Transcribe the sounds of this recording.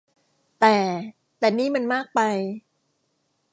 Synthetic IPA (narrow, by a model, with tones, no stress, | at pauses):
t̪ɛː˨˩ | t̪ɛː˨˩niː˥˩ma˧nmaː˥˩k̚pa˧j